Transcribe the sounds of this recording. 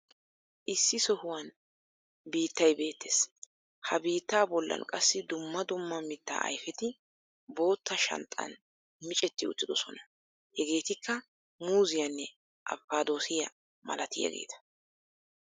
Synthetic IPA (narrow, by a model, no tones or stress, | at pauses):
ʔɪsːɪsɔhʊwɐn | biːt̪ːɐjbe̞ːt̪ːeːs | hɐbiːt̪ːaːbɔlːɐ̰nkʼɐsːɪd̪ʊmːɐd̪ʊmːɐmɪt̪ːa̰ːʔɐ̰jfɛt̪ɪ | bo̞ːt̪ːɐʃɐ̰nt̪ʼːɐ̰n | mɪt͡ʃʼɛt̪ːɪʊ̰t̪ːɪd̪ɔsɔnɐ̥ | hɛɡe̞ːt̪ɪkːɐ | muːzɪjɐnːɛ | ʔɐ̰fːaːd̪o̞ːsɪjɐ | mɐ̰lɐt̪ɪjɐ̰ɡe̞̰ːt̪ʰɐ̥